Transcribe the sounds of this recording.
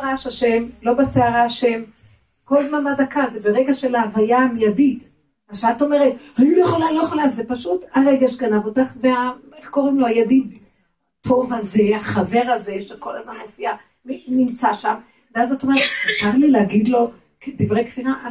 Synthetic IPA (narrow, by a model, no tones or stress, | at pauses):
ʁaʃaʃe̞mlo̞baseaʁaaʃe̞m | ko̞lzmanmadakazebeʁeɡaʃelaːvajamjadi | aʃeat̪o̞me̞ʁethaniljeχolalojaχolazepaʃutaʁeɡaʃeɡanavot̪aχveameχko̞ʁimloajadid | tʰo̞vaze̞aχave̞ʁaze̞ʃeko̞lazmanmofia | minimt͡saʃam | veazot̪omeʁet̪etaʁlilehaɡid̪lo̞ | kdivʁejkfinaʔ